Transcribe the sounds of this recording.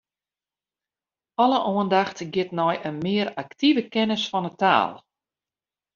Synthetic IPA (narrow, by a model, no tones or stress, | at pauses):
ɔlˠəʔoəndaxtɡɪtnɔjənmɪəɾaktivəkɛnəsfɔnəta̰ːlˠ